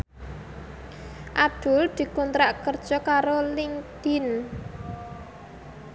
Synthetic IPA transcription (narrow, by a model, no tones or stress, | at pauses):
ʔad̪̥ʊ̤ld̪̥i̤kunt̪ɾaʔkərd̥ʒ̥ɔ̤kaɾolɪŋd̪̥in